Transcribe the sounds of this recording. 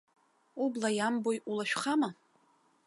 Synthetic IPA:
ublajambojʔulaʃᶣχama

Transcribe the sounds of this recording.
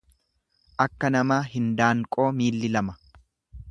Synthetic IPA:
ʔɐkːɐnɐmaːɦɪnd̪aːŋkʼo̞ːmiːlːɪlɐmɐ̥

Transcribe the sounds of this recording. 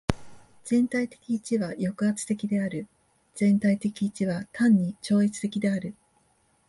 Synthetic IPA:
z̥ẽ̞nt̪ait̪e̞̥kʲiːt͡ɕiβajo̞kɯ̟at͡sɨ̥t̪e̞kʲid̪e̞aɾɯ̟ | z̥ẽ̞nt̪ait̪e̞kʲiːt͡ɕiβat̪ãɲ̟ːit͡ɕo̞ːit͡sɨ̥t̪e̞kʲid̪e̞aɾɯ̟

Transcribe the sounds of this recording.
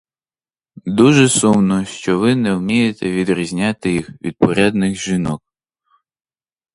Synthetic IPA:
d̪uʒɛsumnɔʃt͡ʃɔʋɪnɛwmʲijet̪ɛʋʲid̪ɾʲizʲnʲat̪ɪjixʋʲʔḭd̪̚pɔɾʲad̪nɪɣʒɪnɔk̚

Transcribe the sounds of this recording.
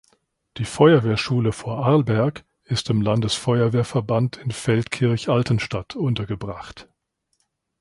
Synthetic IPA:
d̥iːfɔʏɐveːɐʃuːləfoːɐʔaɐlbɛɐk | ɪstɪmlandəsfɔʏɐveːɐfɛɐbantʰɪnfɛltkʰɪɐçʔaltən̩ʃtatʰʔʊntɐɡəbʁaχt

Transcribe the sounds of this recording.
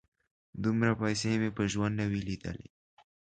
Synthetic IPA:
d̪umɾapajsemepəʒwand̪nawilid̪ə̰lḭ

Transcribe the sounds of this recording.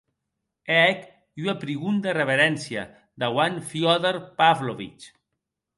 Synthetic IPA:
eɛk | yapɾiɣund̪ereβeɾɛnsja̰ | d̪awanfjɔðeɾpavloβḭt͡ʃ

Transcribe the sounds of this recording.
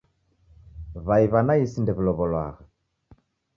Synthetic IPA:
βaiβanaisindɛβilɔβɔlwa̰ɣa

